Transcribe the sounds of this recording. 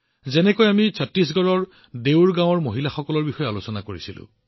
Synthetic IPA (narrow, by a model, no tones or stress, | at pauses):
zɛnɛkojamisʰatɹis̬ɡɔɹɔɹ | dewɹɡãw̃ɔɹmoɦilaxɔkɔlɔɹbixɔjalosɔnakoɹisilʊ̰̃